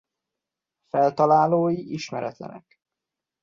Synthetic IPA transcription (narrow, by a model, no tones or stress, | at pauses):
fɛlt̪ɒlaːloːjiʔiʃmɛɾɛt̪lɛ̰nɛ̰k